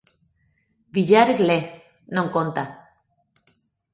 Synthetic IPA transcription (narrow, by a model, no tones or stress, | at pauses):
biʎaɾezle | nõŋkont̪a